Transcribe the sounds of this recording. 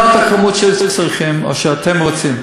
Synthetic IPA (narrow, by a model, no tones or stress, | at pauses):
at̪akamotʃɛlzɛlt͡sʁiχimo̰ʃɛat̪ʰemʁot͡sim